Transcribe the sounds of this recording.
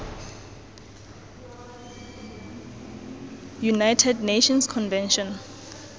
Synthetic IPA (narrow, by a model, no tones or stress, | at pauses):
junajtʰɛdneʃɔnskʰɔnvɛ̃nʃɔ̃n